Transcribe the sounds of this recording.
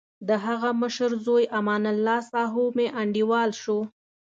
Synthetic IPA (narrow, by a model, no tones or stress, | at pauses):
d̪əɦaɣaməʃəɾzojʔamɑːnalːɑsɑɦomeʔaɳɖiwɑlʃo